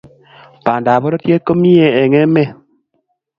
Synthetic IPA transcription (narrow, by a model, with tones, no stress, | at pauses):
pa˨nda˨bɔ˦ɾɔ˦tje˦ko˦mi˦je˨ɛ˨ŋɛ˦mɛ˦˨